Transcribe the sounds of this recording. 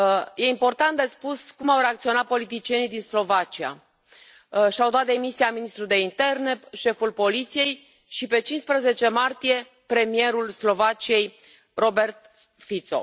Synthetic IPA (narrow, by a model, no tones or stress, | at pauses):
je̞impo̞rt̪ant̪̚d̪espuskumawɾe̞ak̚t̪sio̞nat̪̚po̞lit̪̬it͡ʃije̞nijd̪inslo̞vat͡ʃia̰ | ʃiawd̪oat̪̚d̪e̞misiaminist̪ɾud̪e̞int̪e̞rne̞ʃe̞fulpo̞lit̪sije̞j | ʃipe̞t͡ʃinspɾeze̞t͡ʃe̞mart̪ije̞ | pɾe̞mie̞ɾulslo̞vat͡ʃije̞j | ro̞be̞rt̪ | fit̪so̞̰